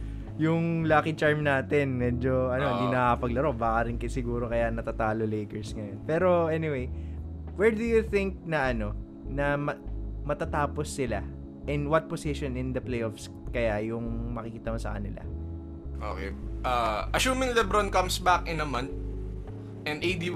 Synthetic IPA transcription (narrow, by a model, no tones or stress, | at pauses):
jʊŋlaːkɪt͡ʃaɹmnaːt̪ɪnmɛːd͡ʒo̞ʔɐnoɐnd̪inɐkɐpɐɡ̚lɐɾoʔbaːkɐɾɪnkɐsɪɡuːɾo̞kɐjanɐt̪at̪aːlolejkɛɹsŋɐjo̞npɛːɾo̞ʔɛnɪwej | wɛɹd̪ʊjʊθɪŋk̚nɐʔɐno̞ | nɐmɐmɐt̪ɐt̪aːposːɪla | ʔɪnwɐt̪̚posɪʃonɪnd̪ɐplejʔofs | kɐjajʊŋmɐkɪkiːt̪ɐmɐsɐ̰kɐnɪla̰ | ʔo̰kḛjʔaʔɐsuːmɪŋlɛbɾonkɐmsbakɪnɐmɐ̃nt̪̚ | ʔɛnejd̪i